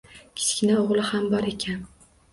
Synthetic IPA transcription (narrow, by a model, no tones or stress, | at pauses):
kʲʰɪ̥skʲɪnaoʁlˠɪhambɒɾe̞kʲʰan